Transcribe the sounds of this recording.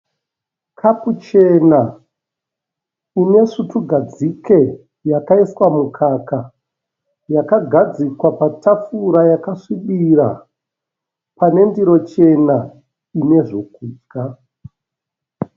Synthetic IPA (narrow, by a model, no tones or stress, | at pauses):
kʰaput͡ʃe̞na | une̞ʂutuɡʱad͡zike̞ | jakaiswamukʰaka | jakaɡʱad͡zikwapatap͡fuɾajakaʂiɓiɾa̰ | pane̞ndiɾo̞t͡ʃe̞na | ine̞ʐo̞k̚uːd͡ʒɡa